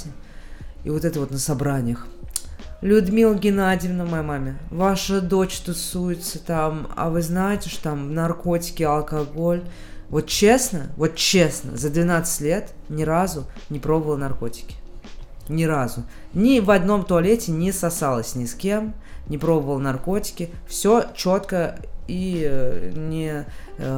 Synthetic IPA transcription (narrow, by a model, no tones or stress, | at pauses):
ḭvo̞t̪ɛt̪əvo̞t̪nəsɐbɾanʲɪjəx | lʲʊd̪mʲilˠɡʲɪnadʲɪvnəmɐjamamʲɪvaʂəd̪o̞t͡ɕt̪ʊsujɪt̪sət̪ama̰vɨznajɪtʲɪʂt̪ot̪amnɐrko̞tʲɪ̥kʲɪɐlˠkɐɡo̞lʲ | vo̞t̪̚t͡ɕesnəvo̞t̪̚t͡ɕːesnə̰zəd̪vʲɪnat̪sɨ̥tʲlʲe̞t̪nʲɪɾazʊnʲɪpɾo̞bəvəlˠnɐrko̞tʲɪ̥kʲɪ̥nʲɪɾazʊ | nʲɪvɐd̪no̞mt̪ʊɐlʲetʲɪnʲɪsɐsalˠəsʲnʲɪskʲe̞mnʲɪpɾo̞bəvəlˠnɐrko̞tʲɪ̥kʲɪfsʲo̞t͡ɕo̞t̪kəi | nʲɪ